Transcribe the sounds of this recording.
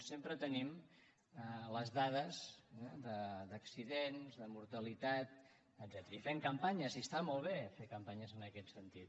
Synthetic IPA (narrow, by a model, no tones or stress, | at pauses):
sempɾət̪ənim | ələzðaðəzd̪əd̪əksiðenzðəmuɾt̪əlit̪at̪̚ | əd̪zɛt̪ɾəifeŋkəmpaɲəziəst̪amɔlˠβ̞efekəmpaɲəzənəkɛt̪sənt̪it̪